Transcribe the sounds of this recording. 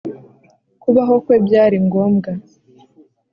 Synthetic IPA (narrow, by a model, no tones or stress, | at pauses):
kuβaɦo̞kwe̞ːbjaːɾiŋɡo̞ːmɡa